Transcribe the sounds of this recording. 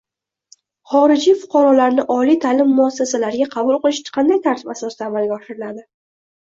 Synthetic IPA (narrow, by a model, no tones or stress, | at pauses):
χɒɾɪd͡ʒifʊ̥qʰɑɾɒlaɾnɪʔɒlit̪ʰalɪmːʊasːasalaɾɪɡʲaqʰɑbʊlˠqɨlˠɪʃqʰɑnd̪ajt̪ʰaɾt̪ʰɪpasɒsɪd̪aːmalɡʲaɒʃɪɾɪlad̪ɪ